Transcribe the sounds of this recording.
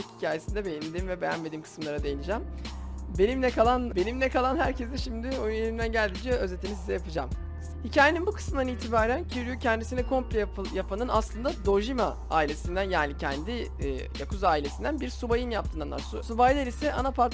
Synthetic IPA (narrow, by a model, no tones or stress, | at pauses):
chicʰaːje̞sind̪ɛbe̞jinʲed̪imvɛbe̞jænme̞d̪iːmkʰɯ̥smlˠaɾad̪e̞jinid͡ʒæmbe̞nimlʲɛkʰalˠanbe̞nimlɛkʰalˠanhæɾcʰɛzd̪ɛʃimd̪ɪojynelʲimd̪ænɟælʲd̪id͡ʒiøzet̪ʰimizsizɛjapɯd͡ʒa̰m | hicʰaːje̞ninbukʰɯ̥smɯnd̪aniːt̪ʰibaːɾæncʰiɾyjucʰɛnd̪isinɛkʰo̞mplʲepjapʰanɯnaslˠɯnd̪ad̪o̞ʒima | a̰ːilʲe̞sind̪ænjaːnicʰɛnd̪i | ja̰kʰuzaːilʲe̞sind̪ænbiɾsubajɯnjapt̪ʰɯːnanːˠa̰ɾssubajlʲeɾisɛʔanapʰaɾt̪